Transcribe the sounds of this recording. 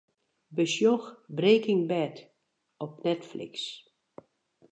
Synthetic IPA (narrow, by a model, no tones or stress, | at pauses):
bəsjoxbreːkɪŋbɛt | ɔp̚nɛtflḭks